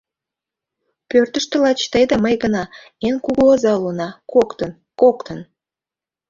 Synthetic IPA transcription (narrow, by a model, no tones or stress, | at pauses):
pørt̪əʃt̪əlɑt͡ɕt̪əjd̪ɑməjɣənɑ | enkuɣuozɑlunɑkokt̪ən | kokt̪ən